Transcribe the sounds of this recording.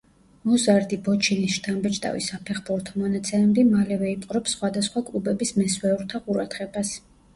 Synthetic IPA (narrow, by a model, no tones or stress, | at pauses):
mɔzaɾd̪ibɔt͡ʃʰinisʃt̪ʰambɛt͡ʃʼt̪ʼa̰vḭsapʰɛχbuɾt̪ʰɔmɔnat̪sʰɛmɛd̪imalɛvɛipʼqʼɾɔpsχwad̪asχwakʼlˠubɛbismɛswɛuɾt̪ʰaqʼuɾad̪̥ʁɛbas